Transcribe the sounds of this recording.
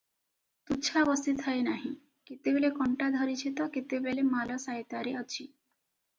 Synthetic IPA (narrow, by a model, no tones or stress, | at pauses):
t̪ut͡ʃʰabɔsit̪ʰajnaɦĩ | kit̪ebelekɔɳʈad̪ʱɔɾit͡ʃʰit̪ɔkit̪ebelemalɔsajt̪aɾiɔt͡ʃʰi